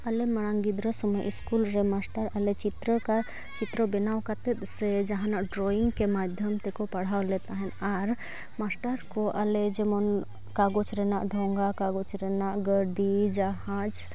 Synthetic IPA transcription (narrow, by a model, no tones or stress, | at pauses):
əlemɐɽ̃ãŋɡid̪ɾəsuməʔḭskulɾemasʈəɾəlet͡ʃit̪ɾəka | t͡ʃit̪ɾəbɛnawkat̪et̪sed͡ʒɐɦãnaɖɾoiŋɡkemad̪ʱjəmt̪ekopɐɽ̤awlet̪aɦɛnaɾ | masʈəɾkoʔəled͡ʒemɔn | kaɡot͡ʃʰɾenaʔɖʱɔ̃ŋɡakaɡot͡ʃʰɾenaʔɡəɾɖid͡ʒaɦãd͡ʒ